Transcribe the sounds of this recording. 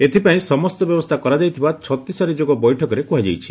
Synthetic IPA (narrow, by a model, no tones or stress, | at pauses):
et̪ʰipaĩsɔmɔst̪ɔbjɔbɔst̪ʰakɔɾad͡ʒajt̪ʰibat͡ʃʰɔt̪isaɾid͡ʒoɡɔbɔjʈʰɔkɔɾekuɦad͡ʒa̰jt͡ʃʰi̥